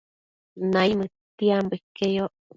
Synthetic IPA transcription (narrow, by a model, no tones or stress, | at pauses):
naimɨt̪iambekːejo